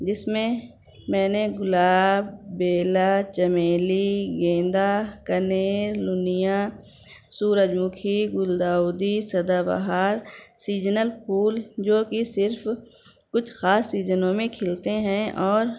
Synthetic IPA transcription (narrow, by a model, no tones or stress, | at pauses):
d͡ʒɪsmẽ | mɛ̃ːneɡʊlaːbbeːlat͡ʃəmeːliɡẽːnd̪akəneːɾlʊnijã | suːɾəd͡ʒmʊkʰiɡʊld̪aːʊd̪isɐd̪abə̰ɦaːɾsiːd͡ʒnəlpʰuːld͡ʒoːkisɪɾfʰ | kʊt͡ʃʰxaːsːiːzənõmẽkʰɪlt̪eɦɛ̃ɔːɾ